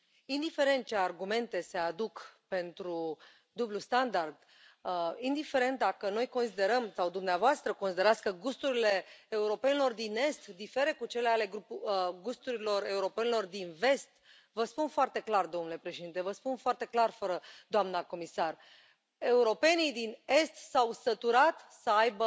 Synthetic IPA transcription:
ind̪ife̞ɾent̪̚t͡ʃe̞arɡume̞nt̪e̞se̞ad̪ukpe̞nt̪ɾu | d̪ublust̪and̪ard̪ | ind̪ife̞ɾe̞nt̪̚d̪akəno̞jko̞nsid̪e̞ɾəmsawd̪umneavoast̪ɾəko̞nsid̪eɾat̪skəɡust̪uɾile̞ːuɾo̞pe̞nelo̞rd̪ine̞st̪d̪ife̞ɾe̞kut͡ʃe̞leale̞ɡɡust̪uɾilo̞re̞uɾo̞pe̞nelo̞rd̪inve̞st̪ | vəspunfoart̪e̞klard̪omnule̞pɾeʃed̪int̪evəspunfoart̪e̞klarfəɾəd̪oamnako̞misar | e̞uɾo̞pe̞nid̪ine̞st̪sawsət̪uɾat̪səajbə

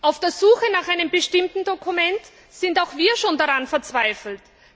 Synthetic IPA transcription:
ʔaʊfd̥eːɐzuːxənaːχʔaɪnəmbəʃtɪmtn̩dokʰumɛnt | z̥ɪntaʊxv̥iːɐʃoːndaʁanfɛɐt͡sv̥aɪfl̩t

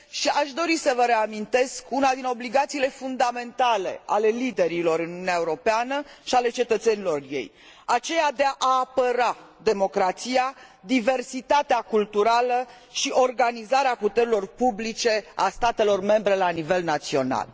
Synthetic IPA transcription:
ʃiaʃd̪o̞ɾisəvəɾe̞amint̪e̞skunad̪ino̞bliɡat̪siːle̞fund̪ame̞nt̪ale̞̰ale̞lid̪e̞ɾilo̞ɾɨnununeaeuɾo̞peanəʃiale̞t͡ʃe̞t̪ət̪se̞nilo̞rje̞̰j | at͡ʃe̞jad̪eaʔaːpəɾa | d̪e̞mo̞kɾat̪sijad̪ive̞rsit̪at̪eakult̪uɾalə | ʃiʔo̞rɡanizaɾeaput̪e̞ɾilo̞rpublit͡ʃe̞a̰st̪at̪e̞lo̞rme̞mbɾe̞lanive̞lnat̪sio̞̰na̰l

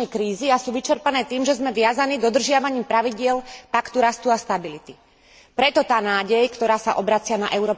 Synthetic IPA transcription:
ɛjkɾiːziasuːʋit͡ʃɛɾpanɛːt̪iːmʒɛzmɛʋɪazaniːd̪ɔd̪r̩ʒɪaʋaɲiːmpɾaʋiɟɪɛlpakt̪uɾast̪uast̪abilit̪i | pɾɛt̪ɔt̪aːnaːɟɛjkt̪ɔɾaːsaʔɔbɾat͡sɪanaʔɛʊɾɔː

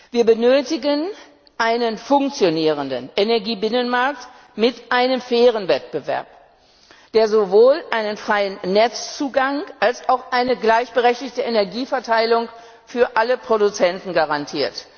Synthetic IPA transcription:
viːɐbənøːtɪɡən | ʔaɪnənfʊŋk̚t͡sjoniːʁ̞əndə̰nʔenɛɐɡiːbɪnənmaɐk̚t | mɪtʔaɪnəmfɛːʁ̞ənvɛt̚b̥əvɛ̰ɐp | d̥eːɐzovoːlʔaɪnənfʁ̥aɪənːɛt͡st͡suːɡaŋʔalsaʊxʔaɪnəɡlaɪçb̥əʁɛçtɪçtəʔenɛɐɡiːfɛɐtʰaɪlʊŋ | fyːɐʔaləpʁ̥odut͡sɛntn̩ɡaʁantʰiːɐt

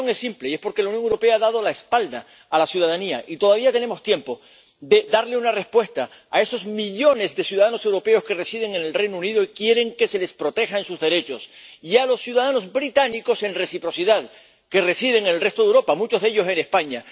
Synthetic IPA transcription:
oŋesːimple̞ie̞spo̞ɾke̞launjo̞ŋewɾo̞pe̞aðað̞o̞laespald̪aː | lasjuð̞að̞aniaʔit̪o̞ðaβiat̪e̞ne̞mo̞st̪je̞mpo̞ | d̪e̞d̪aɾle̞unare̞spwe̞st̪a | a̰e̞so̞zmiʎo̞ne̞zðe̞sjuðaðanose̞wɾo̞pe̞o̞ske̞resiðe̞ŋe̞ne̞lre̞jnouniðoikje̞ɾe̞ŋke̞se̞le̞spɾo̞t̪e̞xaensuzðe̞ɾe̞t͡ʃo̞sialo̞sːjuðað̞ano̞zbɾit̪aniko̞se̞nre̞sipɾo̞siðað | ke̞re̞sið̞e̞ŋenelre̞st̪o̞ðewɾo̞pamut͡ʃo̞zðe̞ʝo̞se̞ne̞spaɲa

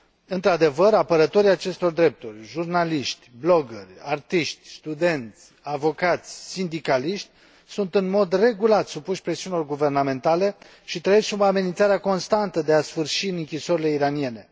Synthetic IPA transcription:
ɨnt̪ɾad̪e̞vəɾapəɾət̪o̞ɾiat͡ʃe̞st̪o̞rd̪ɾe̞p̚t̪urʲʒurnaliʃt̪ʲblo̞ɡərʲart̪iʃt̪ʲst̪ud̪e̞nt̪sʲavo̞kat̪sʲsind̪ikaliʃt̪ʲ | sunt̪ɨnmo̞d̪re̞ɡulat̪supuʃpɾe̞siunilo̞rɡuve̞rname̞nt̪ale̞ | ʃit̪ɾəjesʲsubamenint̪saɾeako̞nst̪ant̪əd̪e̞asfɨrʃiɨnɨŋkʲiso̞ɾile̞iɾanie̞ne̞

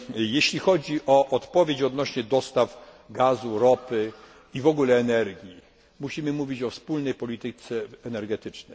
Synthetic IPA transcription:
jeɕlʲixɔd͡ʑiʔɔʔɔt̪pɔvʲjet͡ɕɔd̪nɔɕɲɛd̪ɔst̪av | ɡazuɾɔpɘ | ivɔɡulɛːnɛɾɡʲji | muɕimɘmuvʲit͡ɕɔfspulnɛjpɔlʲit̪ɘt̪sɛːnɛɾɡɛt̪ɘt͡ʂnɛjj

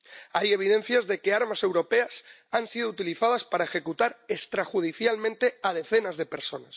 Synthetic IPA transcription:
aje̞β̞iðe̞nθjazðe̞keaɾmase̞wɾo̞peasansiðout̪iliθaðaspaɾaexe̞kut̪aɾest̪ɾaxuð̞iθjalmẽnt̪e̞að̞e̞θe̞nazðe̞peɾso̞nas

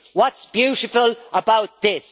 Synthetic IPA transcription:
wʌtsb̥jʉɾɪfələbaʊt̪̚ðɪs

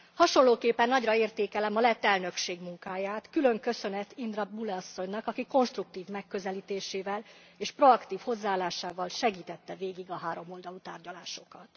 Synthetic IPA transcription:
hɒʃo̞nlːoːkeːpːɛnːɒɟrɒeːrt̪eːkɛlɛmɒlɛt̪ːɛlnø̞kʃeːɡmuŋkaːjaːt̪kylø̞ŋkø̞sø̞nɛt̪ind̪rɒbulɛɒsːo̞ɲnɒkɒkiko̞nʃt̪ruk̚t̪iːvmɛkːø̞zɛliːt̪eːʃeːvɛl | eːʃpro̞ɒkt̪iːfho̞zːaːlːaːʃaːvɒlʃɛɡiːt̪ɛt̪ːɛveːɡiɡɒɦaːɾo̞mo̞ld̪ɒlut̪a̰ːrɟɒlaːʃo̞kɒt̪

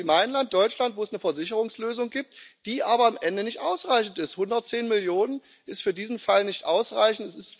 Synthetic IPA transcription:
maɪənlantd̥ɔʏt͡ʃlantv̥oːɛsnəfɛɐzɪçəʁ̞ʊŋsløːzʊŋɡiːp̚td̥iːʔaːbɐamʔɛndənɪçtʔaʊsʁaɪçn̩tɪsthʊndɐt̚t͡seːnmɪljoːnən | ʔɪstfyːɐdiːzn̩falnɪçtʔaʊsʁaɪçn̩tɛsɪst

